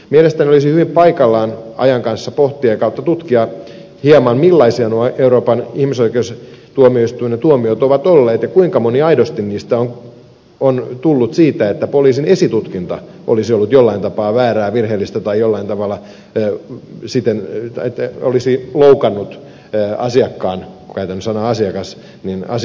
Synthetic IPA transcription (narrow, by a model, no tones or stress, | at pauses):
mielest̪æniolisihyʋimpɑikɑlːɑːnɑ̰jɑŋkɑnsːɑpoht̪iɑkɑut̪ːɑt̪ut̪kiɑ | hiɑmɑnmilːɑisiɑnuɑʔeuɾoːpɑnihmisoikeust̪uomioist̪uinɑt̪uomiot̪oʋɑt̪olːeːt̪jɑkuiŋkɑmoniɑidost̪inniːst̪æon | ont̪ulːut̪siːt̪æet̪ːæpoliːsinesit̪ut̪kint̪ɑ̰ | ʔo̰lisiolːut̪jolːɑint̪ɑpɑːʋæːræːʋirheːlːist̪æt̪ɑijolːɑint̪ɑʋɑlːˑɑ | sit̪enet̪ːæo̰lisiloukɑnːut̪ː | ɑsiɑkːɑːnkkæyt̪ænːysɑnɑɑsiɑkɑs | ninɑ̰s